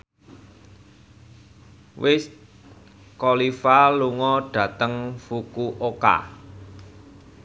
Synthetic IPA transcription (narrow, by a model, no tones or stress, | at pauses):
wɪs | kɔlifaluŋɔɖ̥ä̤t̪əŋfukuʔoka̰